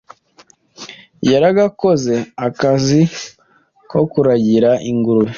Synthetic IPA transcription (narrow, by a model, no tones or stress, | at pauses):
jaɾaɡako̞ze̞akazi | kokuɾaɟiɾaʔiŋɡuɾuji